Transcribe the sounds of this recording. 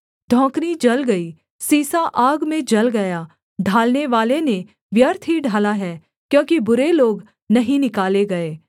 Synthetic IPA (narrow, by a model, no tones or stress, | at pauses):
d̪ʱɔ̃ːknid͡ʒɐlɡɐiː | siːsaʔaːɡmẽd͡ʒɐlɡɐjaː | ɖʱaːlneʋaːlene | ʋjɐɾt̪ʰɦiɖʱaːlaɦɛː | kjõːkibʊɾeloːɡ | nɐɦĩnɪkaːleɡɐeː